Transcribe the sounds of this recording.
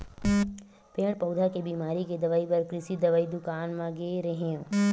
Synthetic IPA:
peɳpəwd̪ʱakebiːmaːɾiked̪əʋaibəɾkɾɪsiːd̪əʋaid̪ukaːnmãɡeɾeɦẽõ

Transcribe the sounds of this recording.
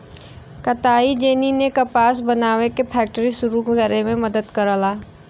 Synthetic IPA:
kɐt̪aːid͡ʒeːninekɐpaːs̬bɐnaːʋekepʰɛːk̚ʈəɾisʊɾuɡəɡɛːɾemẽmɐd̪əd̪kɐɾəlaː

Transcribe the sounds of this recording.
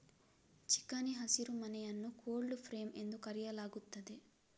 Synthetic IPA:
t͡ʃi̥kːaniɦɐsiɾumɐnɛjɐnːukoːɭɖupʰɾeːme̞nd̪ukɐɾijɐlaːɡut̪ːɐd̪e

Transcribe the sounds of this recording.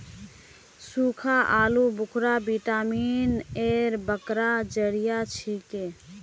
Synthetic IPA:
suːkʰaʔaːlubʊkʰɾabiʈaːmiːneɾbəkɾad͡ʒəɾijat͡ʃʰike

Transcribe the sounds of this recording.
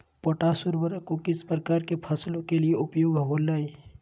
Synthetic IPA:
poːʈaːsʊɾʋəɾəkokɪspɾəkaːɾkepʰəslokelieʊpjoːɡʱɦolaːi

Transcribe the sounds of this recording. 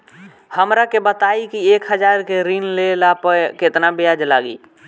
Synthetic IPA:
həmɾakebət̪aikiekɦəd͡ʒaɾkeɾinlelapəket̪nabejad͡ʒlaɡḭ

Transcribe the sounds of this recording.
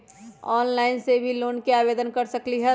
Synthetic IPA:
ɔːnlaːɪnsebʱiloːnkeaːbeːd̪ənkɐɾsɐkliɦɛ

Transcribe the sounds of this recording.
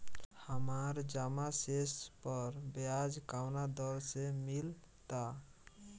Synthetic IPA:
həmaɾd͡ʒamasespəɾbjad͡ʒkawnad̪əlsemil | t̪a

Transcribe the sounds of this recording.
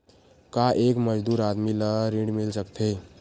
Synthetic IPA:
kaʔeːkməd͡ʒd̪uːɾaːd̪miləɾĩɖmɪlsəkt̪ʰe

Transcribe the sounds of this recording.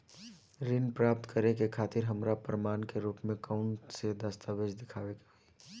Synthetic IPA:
ɾɪnpɾaːp̚t̪kəɾekekʰaːt̪ɪɾɦəmɾapɾmaːnkeɾuːpmẽkaʊɳʈsed̪əst̪aːʋed͡ʒd̪ɪkʰaːʋeɡai

